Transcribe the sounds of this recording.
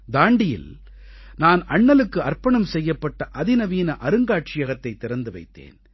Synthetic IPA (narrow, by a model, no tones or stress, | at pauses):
d̪aːɳɖɪjɪ̰l | naːnɐɳːɐlɯkːɯɐrpɐɳɐmsɛjːɐpːɐʈːɐʔɐðɪnɐʋiːnɐʔɐɾɯŋɡaːʈ̚t͡ʃɪjɐɣɐt̪ːɐɪt̪ːɪɾɐnd̪ɯʋɐɪt̪ːḛːn